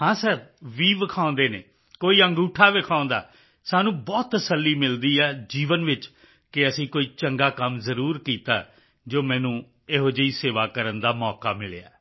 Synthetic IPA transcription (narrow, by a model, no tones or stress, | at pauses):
ɦãːsəɾʋiːʋəkʰãːnd̪eːnḛː | koːiːəŋɡuːʈʰaːʋɪkʰãːʊ̃nd̪a̰ː | saːnũːbɔːt̪ːəsəlːiːmɪld̪iːɛːd͡ʒiːʋənʋɪt͡ʃ | kɪəsĩːkoːiːt͡ʃəŋɡaːkəmzəɾuːɾkiːt̪a̰ː | d͡ʒoːmɛ̃ːnũː | eɦod͡ʒəiːseːʋaːkəɾənd̪aːmɔːkaːmɪɭḛa̰ː